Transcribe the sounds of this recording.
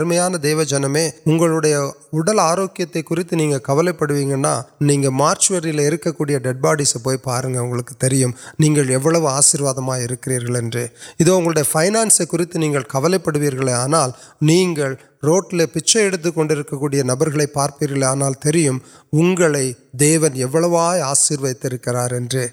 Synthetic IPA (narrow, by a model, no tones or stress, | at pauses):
ɾɯmɐjaːnɐd̪eːʋɐd͡ʒɐnɐmeːʊŋɡɐɭɯɽɐjɐʊɽɐlaːɾoːkːɪjɐt̪ːɐɪkːʊɾɪt̪ːɯniːŋɡɐkɐʋɐlɐɪpːɐɽɯʋiːŋɡɐnːa̰ːniːŋɡɐmaːɾt͡ʃʋɐɾɪjleɪɾɯkːɐkːuːɽɪjɐɖɛɖ̚baːɽisɐpːoːjpaːɾɯŋɡɐʊŋɡɐɭɯkːɯ̥t̪ɛɾɪjɯmniːŋɡɐɭɛʋːɐɭɐʋɯaːsɪɾʋaːðɐmaːɪɾɯkːɪɾiːɾɣɐɭɛndrɯɪðoːʊŋɡɐɭʊɽɐjɐfɐɪnaːnsɐɪkːʊɾɪt̪ːɯniːŋɡɐɭkɐʋɐlɐɪpːɐɽɯʋiːɾɣɐɭeaːnaːlniːŋɡɐɭ | ɾoːʈːɪlepɪt͡ʃːɐɛɽɯt̪̬ːɯkːɔɳɖɪɾɯkːɐkːuːɽɪjɐnɐbɐɾɣɐɭɐɪpːaːɾpiːɾɣɐɭɐaːnaːlt̪ɛɾɪjɯm | ʊŋɡɐɭɐɪd̪eːʋɐnɛʋːɐɭɐʋaːjaːsiːɾʋɐɪt̪ːɪɾɯkːɪɾaːɾɛndrɯ